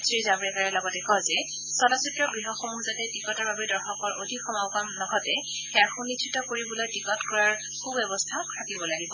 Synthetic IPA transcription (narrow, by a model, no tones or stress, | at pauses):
sɹizabɹɛkaɹɛlɔɡɔtɛkɔzɛ | sɔlasitɹɔɡɹiɦɔxomuzatɛtikɔtɔɹbabɛdɔɹxɔkɔɹʔodʱikxɔmawkamnɔkʰɔtɛ | xɛjaɹxunːitt͡ʃʰitɔkoɹibɔlojtikɔtkɔɹaɹ | kʰubɛbɔstʰatʰakibɔlaɡibɔ